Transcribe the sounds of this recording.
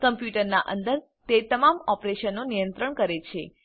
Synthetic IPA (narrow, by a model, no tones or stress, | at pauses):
kəmpjuʈəɾna̰ʔənd̪əɾ | t̪et̪əmamɔpɾeʃənːonijə̃nt̪ɾəɳkəɾet͡ʃʰe